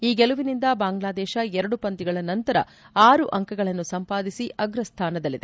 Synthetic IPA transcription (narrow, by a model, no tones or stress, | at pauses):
iːɡeluʋinind̪ɐbaːŋɡlaːd̪ɛːʃɐɛɾɐɽupɐnt̪iɡɐɭɐnɐnt̪ɐɾɐ̰ | aːɾuʔɐŋkɐɡɐɭɐnːusɐmpaːd̪isiʔɐɡɾɐst̪ʰaːnɐd̪ɐlːid̪e